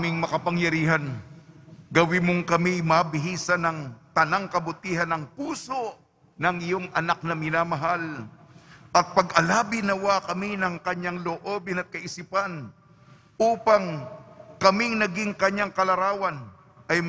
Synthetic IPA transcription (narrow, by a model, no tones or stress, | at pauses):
mɪŋmɐkɐpɐŋjɐɾiːhɐn | ɡɐwɪmoŋkɐmijmɐbɪɦiːsɐnɐŋt̪ɐnaŋkɐbʊt̪iːɦɐnɐŋpuːso̞ʔ | nɐŋɪjo̞ŋɐnak̚nɐmɪnamɐɦal | ʔɐt̪̚pɐɡʔɐlaːbɪnɐwakɐminɐŋkɐɲaŋloʔobɪnɐt̪̚kɐʔɪsipan | ʔuːpɐŋkɐmiŋnɐɡɪŋkɐɲaŋkɐlɐɾaːwɐn | ʔɐj